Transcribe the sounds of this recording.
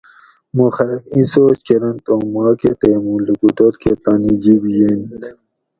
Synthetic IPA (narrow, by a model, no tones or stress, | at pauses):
moxɐɾɐkĩsoːt͡ɕkeɾɐnt̪õːmɑːket̪emũːlekuʈ̪oɾket̪anid͡ʑibijent̪